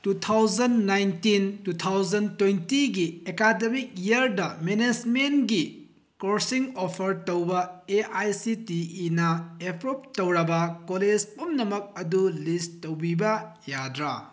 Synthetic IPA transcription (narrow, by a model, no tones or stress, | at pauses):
tutʰawzɐnːajntintutʰawzɐntwejntiɡiekademik̚jiɐɾdɐmened͡ʒmenɡi | koɾsiŋopʰɐɾtowbɐeajsitiinɐepʰɾop̚towɾɐbɐkoled͡ʒpumnɐmɐk̚ɐdulisowbibɐjadɾɐ